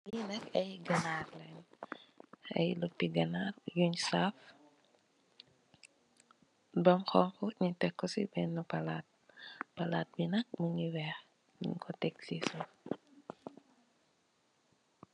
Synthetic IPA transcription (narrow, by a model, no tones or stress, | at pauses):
linɐkɐjɡɐnaːrlɛn | ɐ̰jlupːiɡɐnarjuɲsaf | bɔmxɔŋkuɲitɛkːɔsibɛnːupɐlat̚pɐlat̚binɐk̚məɲiwɛh | nḭkɔtɛksisu